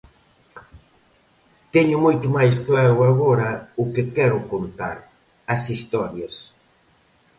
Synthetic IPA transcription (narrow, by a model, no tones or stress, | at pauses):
t̪ɛɲʊmojt̪ʊmajsklaɾʊaɣ̞ɔɾɐʊkɪkɛɾʊkont̪a̰ɾ | ɐsist̪ɔɾjɐs